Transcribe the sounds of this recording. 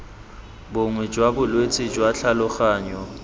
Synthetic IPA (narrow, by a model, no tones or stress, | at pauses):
bʊŋwɛd͡ʒwabʊlwet͡sʼɪd͡ʒwaɬʰalʊχaːɲɔ